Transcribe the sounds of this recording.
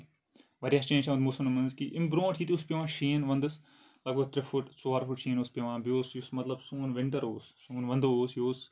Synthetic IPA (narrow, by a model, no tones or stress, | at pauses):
ʋɐɾjaːst͡ʃẽːnt͡ʃʰaʋɐnd̪musɐnumɐnzkiʔɪmbɾõːʈʰiːt̪iuspʲjɐʋãːʃiːnʋɐ̃nd̪ɨs | lɐkɐt̪ɾɪfʊʈsuaːɾfuʈʃĩːnospʲɐʋãːbijoːsjusmɐt̪lɐbsuːnʋɪɳʈɐɾoːssuːnʋɐnd̪oːsjoːs